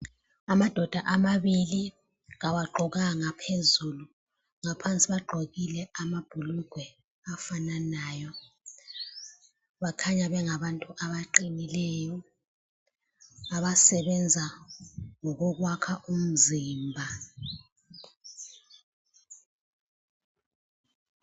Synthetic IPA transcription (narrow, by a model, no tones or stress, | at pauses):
amad̥ʱɔd̥ʱaʔamaβili | ɣawaɡ͡ǃʱɔɣaŋapʰezulu | ŋapʰant͡sʼiβaɡ͡ǃʱoɣilɛamab̥ʱuluɡ̥ʱwɛ | afananaːjɔ | βakʰaɲaɓɛŋaɓantʼuʔaɓaǃinilɛjɔ | aɓasɛɓɛnd͡zʱa | ŋɔk̬ok̬wakʰaʔum̩ziːmbʱa